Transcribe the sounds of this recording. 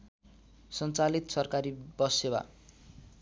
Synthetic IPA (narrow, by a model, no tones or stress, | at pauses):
sʌnt͡salit̪sʌrkaɾibʌsewa̰